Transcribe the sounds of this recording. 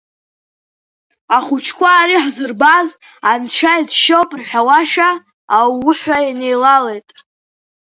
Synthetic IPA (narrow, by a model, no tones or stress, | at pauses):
aχut͡ʃʰkʷʰaːriħzɨrbaz | anʃʷʰajdʃowpʼrħᶣawaʃaː | wʊħʷᶣaine̞jlale̞jtʼ